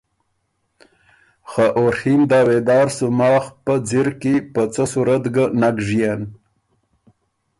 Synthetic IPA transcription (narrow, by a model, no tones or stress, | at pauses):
xaʔoɾhimd̪ɑːwed̪ɑːɾsumɑːxpəd͡ziɾkipət͡səsuɾat̪ɡanaɡʐijen